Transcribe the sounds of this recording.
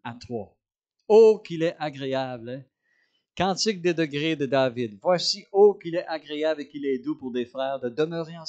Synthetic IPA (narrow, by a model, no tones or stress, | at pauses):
at̪χwa | okʲilɛaɡʁeabl | kɑ̃ːt̪ɪk̚d̪ed̪əɡʁed̪əd̪avɪd̪vwasiokilɛʔaɡʁeablekilɛd̪upʊʁd̪efʁɛːʁd̪əd̪əmœːʁeɑ̃